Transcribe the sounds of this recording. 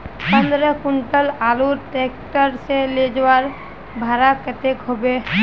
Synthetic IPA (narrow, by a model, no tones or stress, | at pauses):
pə̃nd̪ɾəkʊɳʈəlaːluɾʈekʈəɾseled͡ʒwaɾ | bʱaɾakət̪ekɦobe